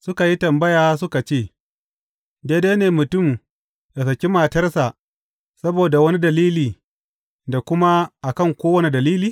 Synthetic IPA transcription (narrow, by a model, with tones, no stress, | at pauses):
sʊ˦ka˨ji˦tɐ˨mbɐ˦jaː˨˦sʊ˦ka˨t͡ʃeː˦˨ | deː˦deː˦neː˨mʊ˨tʊ˦˨m | da˨s̬ɐ˨kʲi˦maː˨tɐ˦rsa˨ʔ | sɐ˦boː˨da˨wɐ˦ni˦dɐ˨liː˦liː˨ | da˨kʷʊ˦ma˦ʔa˨kɐ˦˨ŋkʷoː˦wɐ˦ni˨dɐ˨liː˦liː˦